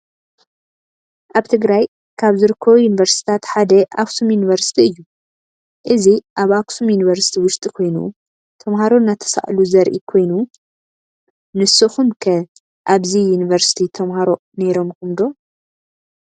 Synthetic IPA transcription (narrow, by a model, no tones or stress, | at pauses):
ʔaβt̪ʰɨɡɾaj | kʰaβzɨɾɨkʰːɐβujunivɐɾst̪ʰi̥t̪ʰat̪ħad̪ɐʔaksumjunivɐɾsi̥t̪ʰiɨjːu | ʔɨziʔaβaksumjunivɐɾsi̥t̪ʰiwʊʃt̪ʼikʰo̞jnṵ | t̪ʰɐmhaɾo̞nːat̪ʰɐ̥sa̰ʔluzɐɾʔḭkʰo̞jnu | nɨsɨxumkʰɐ | ʔaβzijunivɐɾsi̥t̪ʰit̪ʰɐmhaɾo̞ | ne̞ɾo̞mkʰɨmd̪o̞